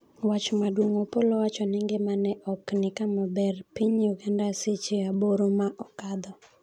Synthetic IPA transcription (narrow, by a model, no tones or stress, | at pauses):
wat͡ʃmadwoŋopolɔwat͡ʃɔnɪŋɡɪmanɛʔɔknɪkamɔbɛrpiɲjuɡandaset͡ʃiaboɾomaʔɔkad̪ɔ